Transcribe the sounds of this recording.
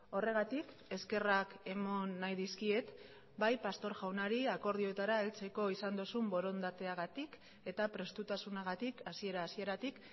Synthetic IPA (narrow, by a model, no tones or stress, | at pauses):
o̞re̞ɣ̞at̪ik | e̞ske̞rake̞mo̞nːajðiskie̞t̪ | bajpast̪o̞ɾʝawnaɾiako̞ɾð̞io̞et̪aɾaelt͡se̞ko̞isand̪osumbo̞ɾo̞nd̪at̪e̞aɣat̪ik | e̞t̪apɾe̞st̪ut̪asunaɣ̞at̪ikasie̞ɾaːsie̞ɾat̪ik